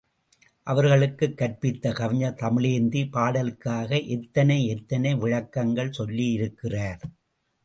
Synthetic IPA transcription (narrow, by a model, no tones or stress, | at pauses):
ʔɐʋɐɾɣɐɭɯkːɯkːɐʈ̚pɪt̪ːɐkɐʋɪɲɐt̪ɐmɪɭeːɾnd̪ipaːɽɐlkːaːɣɐʔɛt̪ːɐnɐɪɛt̪ːɐnɐɪʋɪɻɐkːɐŋɡɐɭsɔlːijɪɾɯkːɪraːɾ